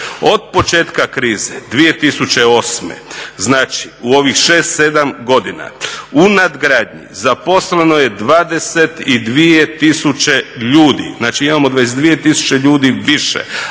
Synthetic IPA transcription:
o̞d̪̚po̞t͡ʃe̞ːt̪kakɾiːzed̪ʋije̞t̪isut͡ɕe̞o̞ːsmḛznaːt͡ʃi̥uo̞ʋixʃe̞ːst̪se̞d̪amɡo̞d̪ina̰unad̪ɡɾad̪ɲḭzapo̞slenoje̞d̪ʋaːd̪e̞se̞t̪id̪ʋijet̪isut͡ɕe̞ʎuːd̪ḭznaːt͡ʃiimamo̞d̪ʋaes̬ed̪ʋije̞t̪isu̥t͡ɕe̞ʎuːd̪iʋiʃḛ

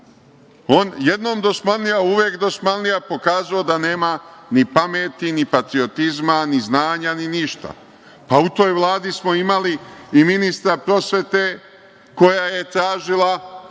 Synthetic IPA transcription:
o̞ːnje̞d̪no̞ːmd̪o̞smalnijauʋjeːkd̪o̞smalnijapo̞kaːzaod̪ane̞ːmanipameːt̪inipat̪ɾio̞t̪izmaniznaːɲaniniʃt̪a̰ | paut̪o̞ːjʋlˠaːd̪ismo̞imaliiminist̪ɾapɾo̞sʋe̞t̪e̞ | ko̞jaje̞t̪ɾaːʒilˠa

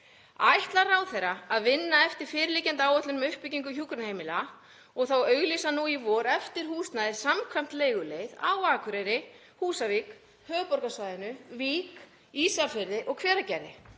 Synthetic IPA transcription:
ajht̪laɾrawθejɾːaaðvɪnːaɛft̪ɪɾ̥fɪːɾɪliːcɛnt̪aːwœt̪lʏnmɛʏhpɪciŋkʏçuːkɾʏnheːjmɪla | ɔɣθawœːɥɣlisanuivɔɾɛft̪ɪɾ̥huːst̪naðɪ̥samkʰvam̥t̪leːjɣʏleːjða̰waːkʰvɾɛɾɪ | huːsaviːk | hœːpɔɾkasvaːjðɪnʏviːk | iːsafɪɾðɪʔɔɣkʰvɛːɾacɛɾðɪ

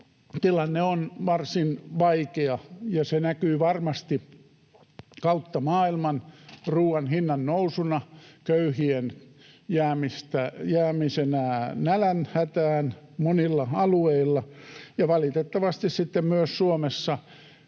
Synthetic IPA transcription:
t̪ilɑnːeonʋɑrsinʋɑikeɑjɑsenækyːʋɑrmɑst̪i | kɑut̪ːɑmɑːilmɑnruːɑnhinːɑnnousunɑkøyhien | jæːmist̪æjæːmisenænælænhæt̪æːnmonilːɑɑlueilːɑjɑʋɑlit̪et̪ːɑʋɑst̪issit̪ːemmyøssuomesːɑ

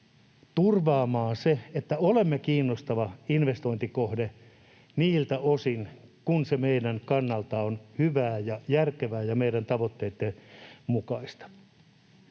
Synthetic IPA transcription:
t̪urʋɑːmɑːnseet̪ːæolemːekiːnːost̪ɑʋɑinʋest̪oint̪ikohde | niːlt̪æosinkunsemeidænkɑnːɑlt̪ɑonhyʋæːjɑjærkeʋæːjɑmeiɾænt̪ɑʋot̪ːeːt̪ːemukɑist̪ɑ̥

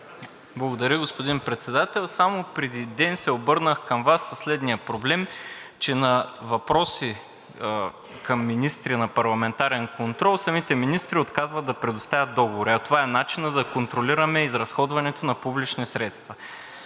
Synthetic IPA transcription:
blˠɐɡod̪ɐɾʲəɡospod̪inpɾɛt̪sɛd̪at̪ɛlˠsamopɾɛd̪id̪ɛnsɛobɤɾnəxkɐmvasːɐslɛd̪nijəpɾoblɛmt͡ʃɛnɐvɐpɾɔsi | kɐmːinist̪ɾinɐpɐɾlˠɐmɛnt̪aɾɛnkont̪ɾɔlˠsɐmit̪ɛminist̪ɾiot̪kazvɐt̪̚d̪ɐpɾɛd̪ost̪avʲət̪̚ːɔɡovoɾiɐt̪ovaɛnat͡ʃinəd̪ɐkont̪ɾoliɾɐmɛizɾɐsxɔd̪vɐnɛt̪onɐpublit͡ʃnisɾɛt̪st̪vɐ

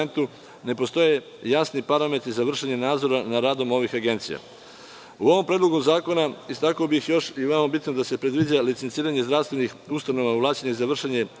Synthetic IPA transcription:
ent̪u | ne̞po̞st̪o̞je̞ | jasnipaɾame̞t̪ɾizaʋr̩ʃeɲenaːd̪zo̞ɾanaɾaːd̪o̞mo̞ʋixaɡe̞nt̪sija̰ | uo̞ʋo̞mpɾed̪lo̞ɡomzaːko̞naist̪akobixjo̞ʃiʋemabit̪nod̪ase̞pɾe̞d̪ʋid͡ʑalit̪sent̪siːɾaɲe̞zd̪ɾast̪ʋe̞nixust̪ano̞ʋauʋlaːt͡ɕeɲeizaʋr̩ʃeɲe

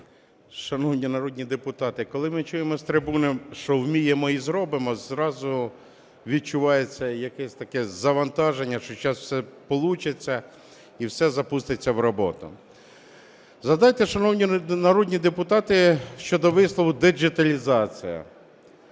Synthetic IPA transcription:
ʃɐnɔwnʲinɐɾɔd̪ʲnʲid̪epʊt̪ɑt̪ɪkɔlˠɪmɪt͡ʃujemɔst̪ɾɪbunɔʃt͡ʃɔwmʲijemɔizɾɔbɪmɔzɾɑzʊ | ʋʲid̪̚t͡ʃʊʋɑjet͡sʲːɐjɐkɛsʲt̪ɐkɛzɐʋɐnt̪ɑʒenʲːɐʃt͡ʃɔt͡ʃɑswsɛpɔlˠut͡ʃet͡sʲːɐ | iwsɛzɐpust̪et͡sʲːɐwɾɔbɔ̰t̪ʊ̰ | zɐd̪ɑjt̪ɛʃɐnɔwnʲinɐɾɔd̪ʲnʲid̪epʊt̪ɑt̪ɪʃt͡ʃɔd̪ɔʋɪslˠɔʋʊd̪ed͡ʒɪt̪ɐlʲizɑt͡sʲḭjɐ̰

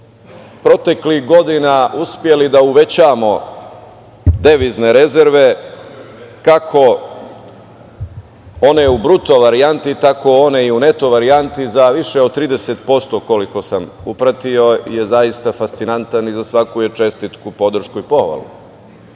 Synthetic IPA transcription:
pɾo̞t̪e̞klixɡo̞d̪inauspje̞lid̪auʋe̞t͡ɕaːmo̞ | d̪e̞ʋizne̞ɾe̞zeɾʋe̞ | kakʰo̞ | o̞neubɾut̪o̞ʋaɾiant̪it̪ako̞oneiune̞t̪o̞ʋaɾiant̪izaʋiʃeod̪̚t̪ːɾiːd̪e̞set̪po̞st̪o̞ko̞liko̞samupɾat̪io̞ijezajist̪afast̪sinant̪anizasʋakujet͡ʃe̞st̪it̪kupo̞d̪r̩ʃkuipo̞xʋa̰lˠṵ

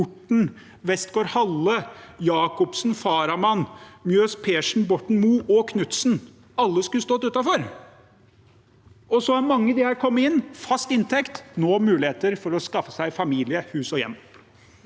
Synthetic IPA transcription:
ʊʈːɳ̩ | ʋɛst̪ɡoːɾhɑlːəjɑːkɔpsn̩fɑːɾɑmɑnmjøːspʰeːʂn̩bɔʈɳ̩muːʔɔkʰnʉt̪sn̩ | ɑlːəskʉst̪oːt̪ʉːt̪ɑfɔɾ | ɔsɔhæɾmɑŋːəd̪ɪhɑɾkʰɔmːəɪnːfɑst̪ɪnt̪ʰɛkt̪noːmʉːlɪeːt̪əɾfɔɾɔskɑfːə̥sæɪfɑmiːlɪəhʉːsɔjɛ̰mː

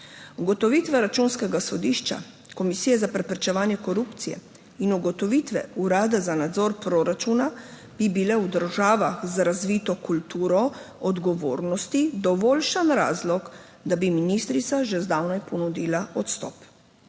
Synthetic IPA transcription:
uɡɔt̪ɔʋit̪ʋɛɾat͡ʃunskɛɡasɔd̪iːʃt͡ʃa̰ | kɔmisijɛzapɾɛpɾɛt͡ʃɛʋaːnjɛkɔɾuːpt̪sijɛ̰ | inuɡɔt̪ɔʋit̪ʋɛ̰uɾaːd̪azanad̪zɔɾpɾoːɾat͡ʃuna | b̥ibilɛwd̪əɾʒaːʋaxzɾazʋiːt̪ɔkult̪uːɾɔ | ɔd̪ɡɔʋo̰ːɾnɔst̪id̪ɔʋɔːlʃanɾa̰ːzlɔk | d̪abiminist̪ɾit̪saʒɛzd̪awnajpɔnud̪iːlaɔt̪st̪ɔ̰ːp

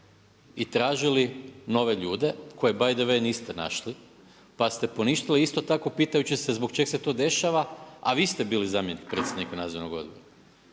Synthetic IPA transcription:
it̪ɾaːʒilino̞ʋe̞ʎuːd̪e̞kʰo̞je̞bajd̪əʋe̞niːst̪e̞na̰ʃli | past̪e̞po̞niʃt̪iliist̪o̞t̪ako̞piːt̪ajut͡ɕise̞zbokt͡ʃɡse̞t̪o̞ːd̪e̞ʃaʋaa̰ʋiːst̪e̞biːlizaːmjenik̚pɾe̞ːt̪sʲjed̪nikanaːzoɾnoɡo̞̰d̪̚bo̞̰ɾa

